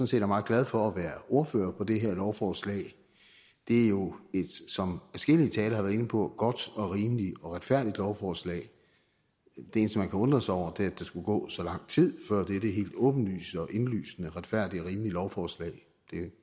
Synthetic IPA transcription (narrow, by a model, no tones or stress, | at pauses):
sɔ̽n̩se̝̰ːd̥jæɐmɑ̈ð̩ˠɡlæð̞ˠfɒ̽æʋæːɐo̝ɐfø̰ːɐpʰɒ̽d̥e̝ɦæɐlɒʊfɒːslɛ̰ɪ | d̥e̝æɐjo̝e̝d̥sɒ̽mæsɡ̥e̝l̰iət͡sʰɛːlɐhɑʋæɐð̩ˠe̝nəpʰɒ̽ɡ̥ɒ̽d̥ɒ̽ʁiːmliɒ̽ʁad̥fæɐ̰d̥id̥lɒʊfɒːslɛ̰ːɪ | d̥ee̝ːnsɒmænkʰæɔ̽nd̥ʁɐsɒʊ̰ɐd̥e̝æd̥ɑ̈sɡ̥uɡ̥ɔ̰̽ːsɒ̽lɑ̈ŋ̰t͡sʰið̰ˠfɶɐ̰d̥eɾəɦe̝̰ːld̥ɔ̽ːb̥n̩ly̰ːsəɒ̽ʔe̝nly̰ːsnəʁad̥fæɐ̰d̥iəʁiːmlilɒʊfɒːslɛ̰ɪ | d̥e̝